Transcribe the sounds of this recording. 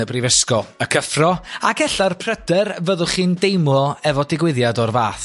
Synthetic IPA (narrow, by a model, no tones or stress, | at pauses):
əbrivəskɔəkʰəfrɔaɡɛɬarpʰr̥ədərvəðʊχiːndejmlˠɔɛvɔdɪɡwɪðjadɔrvaːθ